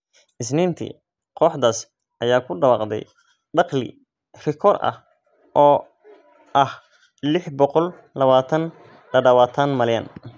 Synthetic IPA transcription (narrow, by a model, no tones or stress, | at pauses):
ʔɪsnɪːnt̪ʰḭ | qɔːħd̪aːs | ʔɐjaːkʰʊɖɐwɑːqd̪ɛ̰j | ɖɑqlɪ̰ | rɪkʰɔɾɐ̰h | ʔɔː | ʔɐh | lɪħbɔqɔl | lɐβaːt̪ʰɐn | lɐɖɐwɑːt̪ʰɐnmɐljɐn